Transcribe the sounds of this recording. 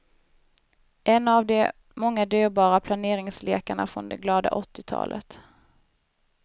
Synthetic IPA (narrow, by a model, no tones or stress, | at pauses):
ʔɛnːavd̪ɛ | mɔŋːad̪yːɾbɑːɾapʰlaneːɾɪŋsleːkaɳa̰fɾɔ̰nd̪ɛɡlɑːd̪a̰ʔɔt̪ːɪt̪ʰɑ̰ːlʔə̰t̪